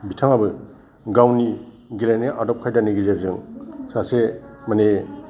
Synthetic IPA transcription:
bitʰaŋabɯ | ɡawni | ɡilajneʔadɔp̚kʰajdaniɡilazɯŋsasemane

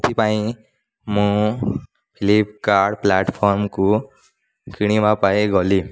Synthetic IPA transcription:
t̪ʰipaĩ | mũ | pʰilipkaɾɽplɛːʈpʰɔɾmku | kiɽ̃iʋapaeɡɔli

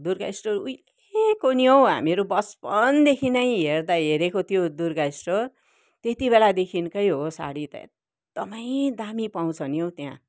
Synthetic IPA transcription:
d̪urɡa̰jsʈoujl | ekoniɦow̃ɦa̰mieɾubʌspʌnd̪ekʰinʌjɦerd̪aɦeɾekot̪ʰjod̪urɡajsʈo | t̪et̪ibelad̪ekʰinkʌjɦosa̰ɽit̪ | t̪ʌpaĩd̪amipaw̃t͡sʰʌniɦow̃t̪jã̰

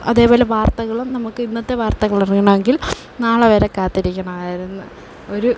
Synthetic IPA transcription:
ɐ̰ðe̞ːbo̞ːle̞ʋaːrt̪ɐɣɐɭumnɐmukːɨinːɐt̪ːe̞ʋaːrt̪ɐɣɐɭɐriŋːɐɳɐme̞ŋɡil | naːɭɐʋeːɾekːaːt̪ːiɾikʲːɐɳɐmaːaːjiɾunːɨ | o̞ɾu

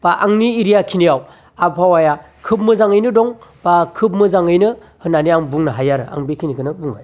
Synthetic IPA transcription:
b̥aʔaŋniːɾijakʰinijaw | abpʰawaja | kʰɯp̚mɯzaŋɯjnɯdɔŋb̥akʰɯb̚mɯzaŋɯjnɯ | hɯnaniaŋbuŋnɯɦajaɾɯa̰ŋbekʰinikʰɯnɯbuŋa̰j

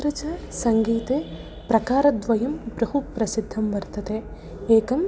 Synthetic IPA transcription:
ɾɐt͡ʃɐsɐŋɡiːt̪eː | pɾɐkaːɾɐd̪ʋɐjɐmpɾɐɦupɾɐsid̪ʱːɐmʋɐɾt̪ɐt̪e | eːkɐm

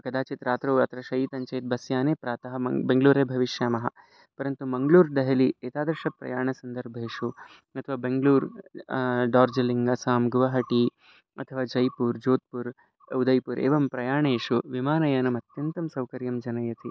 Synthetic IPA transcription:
kɐd̪aːt͡ʃit̪ɾaːt̪ɾoːɐt̪ʰɾɐʃɐjiːt̪ɐɲt͡ʃɐjt̪̚bɐsjaːneːpɾaːt̪ɐɦɐ̆mɐbeŋɡluːɾeːbʱɐʋiʃjaːmɐɦɐ̆ | pɐɾɐnt̪umɐŋɡluːɾɖɐɦɐlieːt̪aːd̪ɐɾʃɐpɾɐ̰jaːɳɐsɐnd̪ɐɾbʱeːʂu | ɐt̪ʰɐʋaːbeŋɡluːɾ | ɖaːɾd͡ʒɐliŋɡɐsaːmɡuʋɐɦɐʈi | ɐ̰t̪ʰɐʋaːd͡ʒɐjpuːɾd͡ʒoːt̪̚puɾ | ɐud̪ɐjpuɾʔḛːʋɐmpɾɐjaːɳeːʂuʋimaːnɐjɐːnɐmɐt̪jɐnt̪ɐmsɐwkɐɾjɐmd͡ʒɐnɐjɐt̪i

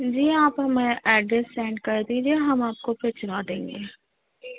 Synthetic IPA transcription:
d͡ʒiːaːpɦɐmẽʔɛːɖɾesːɛ̃ːɳɖkɐɾd̪iːd͡ʒieɦɐmaːp̚kopʰet͡ʃɾad̪ẽːŋɡeː

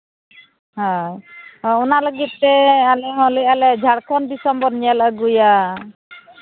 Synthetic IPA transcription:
ɦã | unaləɡit̪̚ːɛalɛɦɔ̃lialɛd͡ʒʱaɽkʰɔnbisɔmbɔnijalaəɡuja

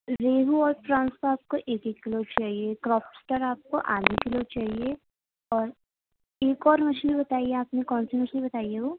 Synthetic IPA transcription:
ɾeːɦuɔːɾpɾãːnst̪oaːp̚koʔeːkekːɪlot͡ʃaːɦiekɾɔːpsʈəɾaːp̚ko̰ʔaːnekɪlot͡ʃaːɦie | ɔːɾ | eːkɔːɾmɐʃilbɐt̪aːieaːpnekɔːnsimɐʃlibɐt̪aːieɦoː

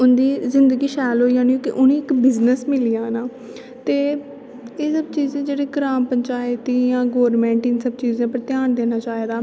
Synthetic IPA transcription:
ʊnd̪iːzɪnd̪əɡiːʃɛːlɦoːijaːniːõːkɪʔʊnẽːɪkbɪznəsmɪlijãːnaː | t̪eː | eːsəbt͡ʃiːzẽːd͡ʒeːɽeːɡɾaːmpəɲt͡ʃaːɪt̪iːjãːɡoːɾmɛ̃ːɳʈɪnsəb̚t͡ʃiːzãːpəɾt̪ɪjaːnd̪eːnaːt͡ʃaːeːd̪aː

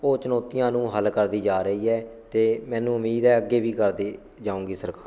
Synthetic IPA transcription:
oːt͡ʃənoːt̪ɪjãːnũːɦəlkəɾd̪iːd͡ʒaːɾəiːɛːt̪eːmɛ̃ːnũːʊmiːd̪ɛːəɡːeːʋiːkəɾd̪eː | d͡ʒãːũːɡiːsəɾkaːɾ

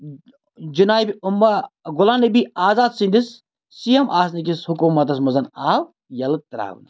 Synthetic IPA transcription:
d͡ʒinaːbʲiumːɐɣʊlaːnɐbiaːzaːd̪sind̪is | sijɐmʔaːsnikishukuːmɐt̪ɐs̬mɐzɐnaːw | jɐlɨt̪ɐɾa̰ːw̰nɐ

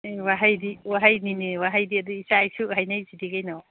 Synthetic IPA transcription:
waɦajdiwaɦajniniwaɦajdiɐduisajsʰiɦajnajzidiɡajnaw

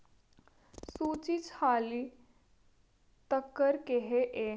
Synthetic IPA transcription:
suːt͡ʃit͡ʃhaːli | t̪əkːəɾkeɦeʔe

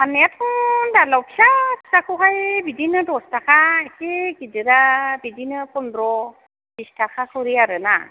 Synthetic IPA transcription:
anejatʰɔŋdalawpʰisḁsakʰuɦajbidinɯdɔstʰakʰaesiɡidɯɾabidinɯpɔndɾɔ | bistʰakʰakʰɯɾiaɾɯna̰

